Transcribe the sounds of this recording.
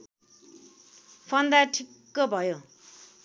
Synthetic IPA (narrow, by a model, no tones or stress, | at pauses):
pʰʌnd̪aʈʰikːʌbʱʌjo